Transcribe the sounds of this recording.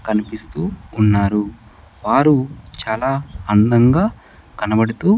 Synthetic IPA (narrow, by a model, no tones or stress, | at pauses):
kɐnipist̪uːnːaːɾu | ʋaːɾut͡ʃaːlaːɐnd̪ɐŋɡaː | kɐnɐbɐɽut̪uː